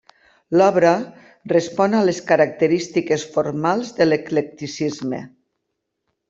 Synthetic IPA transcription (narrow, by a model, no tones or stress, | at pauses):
lɔβɾa | respɔnaleskaɾak̚t̪eɾist̪ikesfoɾmalˠzðeleklek̚t̪isizmḛ